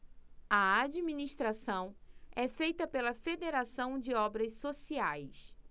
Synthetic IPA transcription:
ɐad͡ʒimĩniʃt̪ɾasɐ̃w̃ɛfejt̪ɐpelɐfed̪eɾasɐ̃w̃d͡ʒɪɔbɾɐssosiajs

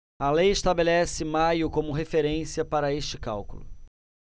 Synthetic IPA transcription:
ɐlejɪʃt̪abelɛsɪmajʊkõmʊɦefeɾẽsiɐpaɾɐeʃt͡ʃɪkawkʊlʊ

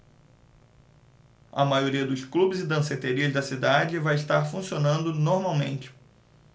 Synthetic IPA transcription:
ɐ̰majoɾiɐd̪ʊsklubɪzɪd̪ɐ̃set̪eɾiɐzd̪ɐsid̪ad͡ʒɪvajɪʃt̪aɾfũsionɐ̃nd̪ʊnoɾmawmẽnt͡ʃɪ̥

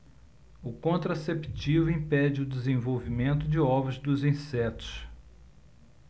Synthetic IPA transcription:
ʊkõnt̪ɾasept͡ʃivʊĩpɛd͡ʒɪʊd̪ɪzẽvowvimẽnt̪ʊd͡ʒɪɔvɾɐzd̪ʊzĩsɛt̪ʊ̥s

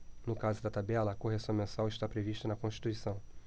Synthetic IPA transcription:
nʊkazʊd̪ɐt̪abɛlɐːkoɦesɐ̃w̃mẽsawɪʃt̪apɾeviʃt̪ɐnɐkõʃt͡ʃi̥t̪uisɐ̃w̃

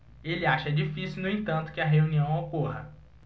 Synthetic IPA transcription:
elɪaʃɐɛd͡ʒifisiwnʊẽt̪ɐ̃nt̪ʊ̥kɪɐɦeũniɐ̃w̃okoɦɐ

